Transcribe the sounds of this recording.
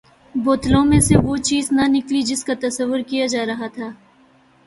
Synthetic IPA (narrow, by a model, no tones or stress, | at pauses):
boːt̪lõmẽseʋot͡ʃiːznɐnɪklid͡ʒɪskat̪ɐsəʋːʊɾkijad͡ʒaːɾɐɦat̪ʰaː